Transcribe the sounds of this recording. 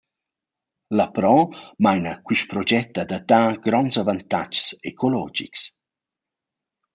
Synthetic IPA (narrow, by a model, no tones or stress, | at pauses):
lapɾɔmajnəkwyʃpɾɔd͡ʒɛt̪ːad̪at̪aːɡ̥ɾɔnsavant̪a̰d͡ʒsekʰolɔ̰d͡ʒḭks